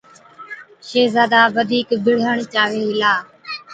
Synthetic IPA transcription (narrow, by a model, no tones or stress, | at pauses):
ʃeːzaːd̪aːʋəd̪ʱiːkbɪɽ̤əɳt͡ʃaːʋeːɦɪlaː